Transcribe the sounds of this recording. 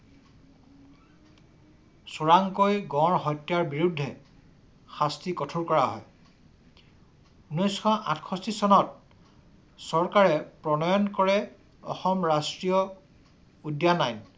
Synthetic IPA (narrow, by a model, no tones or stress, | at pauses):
suɹaŋkojɡɔ̃ɹɦɔjtjaɹbiɹudʱːɛ | xastikɔtʰuɹkɔɹaɦɔ̰j | unɔjskʰɔʔa̰tʰkʰɔsisɔnɔt̚ | sɔɹkaɹɛpɹɔnɔjɔnkɔɹɛ | ɔ̰xɔmɹastɹijɔ | udjanajn